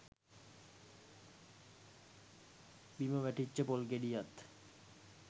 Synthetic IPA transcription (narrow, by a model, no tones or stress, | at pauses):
bimobɛʈitːɕepolkeɖijat̪